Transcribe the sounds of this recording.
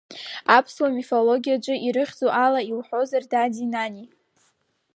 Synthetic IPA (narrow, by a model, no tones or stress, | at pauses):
apʰswamifo̞lo̞ɡʲijad͡ʒʷʼɨʔiɾɨχʲd͡zoʔalaiwħo̞zardadinani